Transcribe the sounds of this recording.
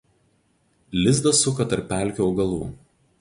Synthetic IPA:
lʲɪzd̪ɐsʊkɐt̪ɐɾpʲːæˑlʲkʲuːʊɡɐlˠṵː

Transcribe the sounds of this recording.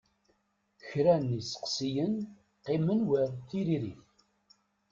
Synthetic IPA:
çɾænisə̥qsijən | qːɪmənwəɾθiɾiɾiθ

